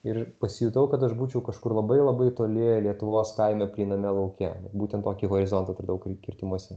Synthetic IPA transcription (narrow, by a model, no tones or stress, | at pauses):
ɪrpɐsʲɪjuːt̪ɐʊkɐt̪ɐʃbuːt͡ʃʲɛʊkɐʃkʊrlˠɐbɐɪlˠɐbɐɪt̪oːlʲelʲiɛt̪ʊʋoːskɐɪmʲɛpʲlʲiːnɐmʲɛlˠɐʊkʲɛɛt̪buːt̪ʲɛnt̪oːkʲiɣoːɾʲɪzɔnt̪ɐt̪ɾɐd̪ɐʋɐʊkʲkʲɪrʲt̪ʲɪmuɔsʲɛ